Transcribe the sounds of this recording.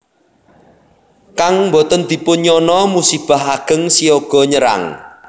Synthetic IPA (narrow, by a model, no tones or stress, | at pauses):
kaŋmbɔt̪ənd̪̥i̤pʊnɲɔnɔmusib̥a̤ɦaɡ̥ə̤ŋsioɡ̥ɔ̤ɲəɾa̰ŋ